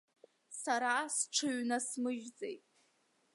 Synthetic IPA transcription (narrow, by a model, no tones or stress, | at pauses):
saɾasʈ͡ʂʰɨɥnasmɨʒd͡zejtʼ